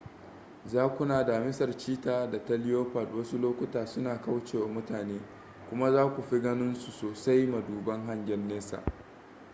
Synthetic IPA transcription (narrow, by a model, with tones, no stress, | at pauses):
zaː˦kʷʊ˦naː˨da˨mɪ˦sɐ˨rt͡ʃiː˦taː˦da˨ta˦lɪ˦joː˦ɸa˨dwɐ˦su˦loː˦kʷʊ˦taː˨sʊ˦naː˨ka˦wt͡ʃeː˨wa˨mʊ˦taː˨neː˦ | kʷʊ˦ma˦zaː˦kʷu˨ɸi˦ɡɐ˦nɪ˦nsu˨soː˨sa˦jmɐ˨duː˨bɐ˦ŋɦa˦ɲɡʲɛ˦nːeː˦sa̰ː˨ʔ